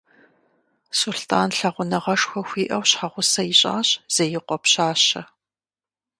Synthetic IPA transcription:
sʊɬtʰaːnɬɐʁʷʊnɐʁɐʂxʷɔxʷiːʔɐwɕħaʁʷʊsɐjɪɕʼa̰ːɕz̥ejɪqʷɔpɕaːɕɐ

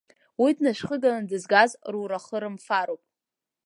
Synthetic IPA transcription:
widʰnaʃχəɡalandɨzɡazruɾaχəɾɨmfaɾowpʼ

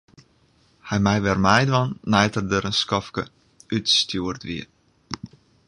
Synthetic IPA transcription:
hɛjmɛjʋɛrmɛjdʋɔnːɛjtərdəɾənskɔfkə | ytstjuərtʋiət

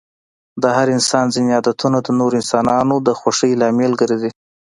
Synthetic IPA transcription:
d̪əhaɾɪnsɑnzɪnjɑd̪at̪ʰunad̪ənoɾɪnsɑnɑnod̪əxwaʂəjlɑmelɡəɾed̪i

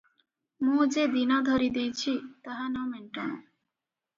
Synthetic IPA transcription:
mũd͡ʑed̪inɔd̪ʱoɾid̪ijt͡ɕʰit̪aɦanɔmeɳʈon

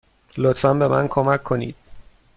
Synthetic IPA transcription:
lot̪fænbe̞mʔæ̰nkʰomækʰːo̞nḭːd̪̥̚

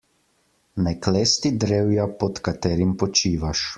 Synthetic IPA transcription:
naklɛːst̪id̪ɾewjapɔt̪kat̪ɛːɾimpɔt͡ʃiːʋaʃ

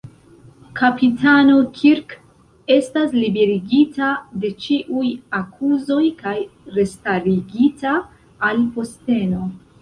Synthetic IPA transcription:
kʰapitano̞kʰiɾk | e̞staslibe̞ɾiɡitade̞t͡ʃiʔujakʰuzo̞jkajɾe̞staɾiɡitaː | lpo̞ste̞no̞

